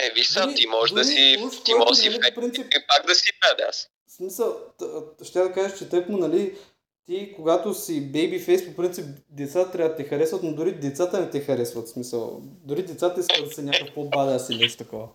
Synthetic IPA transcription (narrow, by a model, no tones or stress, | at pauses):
ɛviʃssait̪imɔʒd̪ɐsiu̥t̪imɔsiopɾint̪ipipaɡ̚d̪ɐsipɾad̪ʲa̰s | smisəlˠʃt̪ʲad̪ɐkaʒət͡ʃɛt̪əkmʊnɐli | t̪ikoɡat̪osibɛjbifɛjspopɾint̪sip̚d̪ɛt̪sat̪ɐt̪ɾʲabəd̪ɐt̪ɛxɐɾɛsvɐt̪nod̪ʊɾid̪ɛt̪sat̪ənɛt̪ɛxɐɾɛsvɐt̪smisəlˠd̪ʊɾid̪ɛt̪sat̪əiskəlˠd̪ɐsɛnʲakkəpobad̪ɛasimɛsi̥t̪ɐkɔvə